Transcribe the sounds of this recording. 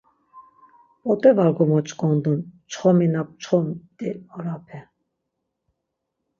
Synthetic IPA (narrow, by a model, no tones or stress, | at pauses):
pʼɔt̪ʼɛvaɾɡɔmɔt͡ʃʼkʼɔnd̪unt͡ʃʰχɔminap̚t͡ʃʰχɔmt̪ʼiɔɾapʰɛ